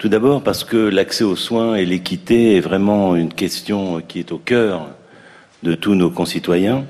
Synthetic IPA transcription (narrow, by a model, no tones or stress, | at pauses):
t̪ud̪abɔʁpaʁsə̥kəlaksɛoswɛ̃elekʲit̪eɛvʁɛmɑ̃ynkʲɛst̪jɔ̃kʲiɛt̪okʲœːʁ | d̪ət̪unokɔ̃sit̪wajɛ̃